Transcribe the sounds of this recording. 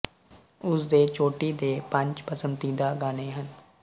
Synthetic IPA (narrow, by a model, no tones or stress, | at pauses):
ʊsd̪eːt͡ʃoːʈiːd̪eːpə̃ɲt͡ʃpəsənt̪iːd̪aːɡaːneːɦən